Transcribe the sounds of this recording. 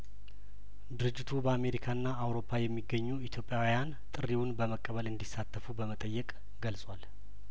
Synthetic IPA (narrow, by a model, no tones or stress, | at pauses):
d̪ɨɾɨd͡ʒːɪt̪ʰubəame̞ɾikʰaɨnːaːwɾo̞pʰːajɛmːiɡːəɲːuit̪ʰjo̞pʼjawijan | t̪ʼɨɾiwʊnbəməkʼːəβəlɨnd̪isːat̪ʰːəfubəmət̪ʼəjːɛkʼ | ɡəlsʼwal